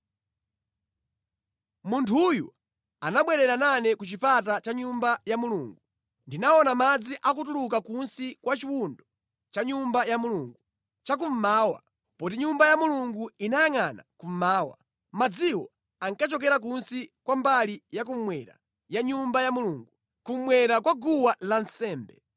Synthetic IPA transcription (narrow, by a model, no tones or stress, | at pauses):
muntʰujṵ | anaɓwɛɾɛɾananɛkut͡ʃipatat͡ʃaɲumbajamuluːŋɡu | ndinaɔnamad͡ziʔak̬ut̬ulukakunsikwat͡ʃiwundɔ | t͡ʃaɲumbajamuluːŋɡu | t͡ʃak̬um̩maːwa̰ | pɔt̬iɲumbajamuluŋɡuinajaŋana̰kum̩maːwa̰ | mad͡ziwɔ | aŋkat͡ʃɔkɛɾak̬unsikwambalijak̬um̩mwɛɾa̰ | jaɲumbajamuluŋɡu | kum̩mwɛɾakwaɡuwalansɛːmbɛ̰